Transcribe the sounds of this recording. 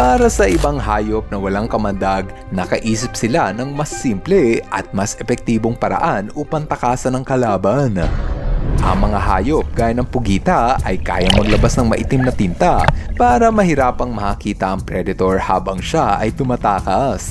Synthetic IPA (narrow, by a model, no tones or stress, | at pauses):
paːɾɐsɐʔɪbaŋɦaːjop̚nɐwɐlaŋkɐmɐnd̪aɡ | nɐkɐʔiːsɪp̚sɪlanɐŋmɐsːimplɛʔɐt̪̚mɐsɛfɛk̚t̪iːboŋpɐɾɐ̰ʔanʔuːpɐnt̪ɐkaːsɐnɐŋkɐlaːbɐn | ʔɐ̰ŋmɐŋaɦa̰ːjop̚ɡ̥aːjɐnɐŋpʊɡiːt̪ɐʔɐ̰jka̰ːjɐŋmɐɡlɐbasnɐŋmɐʔɪt̪ɪmnɐt̪ɪnt̪ɐpaːɾɐmɐhɪɾaːpɐŋmɐhɐkiːt̪ɐʔɐŋpɾɛd̪ɪt̪o̞ɹha̰ːbɐŋʃaʔɐ̰jt̪ʊmɐt̪aːkɐs